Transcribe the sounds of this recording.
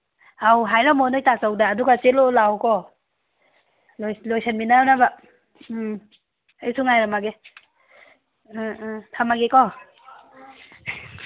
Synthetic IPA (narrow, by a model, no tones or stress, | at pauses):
awɦajɾamɔnɔjtazawdaːduɡat͡ʃelolawkɔ | ljlojsʰanminanaba | ajsʰuŋajɾamaɡe | tʰamaɡekɔ